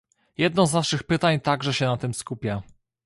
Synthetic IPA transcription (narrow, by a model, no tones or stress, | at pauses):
jɛd̪nɔ̃znaʂɘxpɘt̪aɲt̪aɡʐɛɕɛnat̪ɘmskupʲja